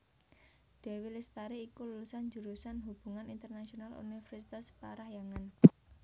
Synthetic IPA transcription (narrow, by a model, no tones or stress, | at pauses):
ɖ̥ɛ̤wilist̪aɾiːkululusand͡ʒuɾusanɦub̥ṳŋanint̪ərnasionalṵnifɛrsit̪aspaɾahjaŋan